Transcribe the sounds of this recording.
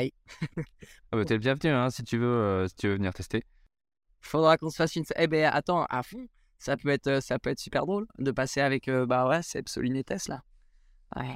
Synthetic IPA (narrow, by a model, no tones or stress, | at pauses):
j | ɛbat̪yɛləbjɛ̃vənyɛ̃sit̪yvøøsi̥t̪yvøvəniʁt̪ɛst̪e | fod̪ʁakɔ̃sə̥fasynsʔɛbɛa̰t̪ɑ̃a̰fɔ̃ | sapøɛt̪χøsapøɛt̪χsypɛʁd̪ʁold̪əpaseavɛkøbawɛsɛpso̰linet̪ɛsla | a̰